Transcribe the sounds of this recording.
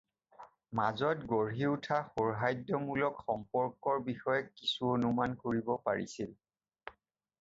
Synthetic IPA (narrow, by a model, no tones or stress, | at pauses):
mazɔtɡoɹɦiutʰaxoɹɦajdɔmulɔkxɔmpɔɹkɔɹbixɔjɛkːisuonumankoɹibɔpa̰ɹḭsil